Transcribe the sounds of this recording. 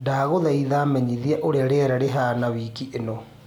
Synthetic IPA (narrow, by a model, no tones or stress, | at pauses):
daɣoðaiðaːmɛɲiðiaʔoɾeaɾeɾɛɾeɦaːnawiːkiʔenɔ